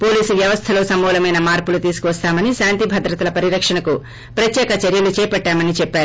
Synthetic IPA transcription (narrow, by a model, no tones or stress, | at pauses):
po̞ːliːsuʋjɐʋɐst̪ʰɐlo̞ːsɐmɔːlɐmɐjnɐmaːɾpulut̪iːsukuʋɐst̪aːmɐniʃaːnt̪ibʱɐd̪ɾɐt̪ɐlɐpɐɾiɾɐkʂɐɳɐku | pɾɐt̪jɛːkɐt͡ʃɐɾjɐlut͡ʃɛːpɐʈːaːmɐnit͡ʃɛpːaːɾu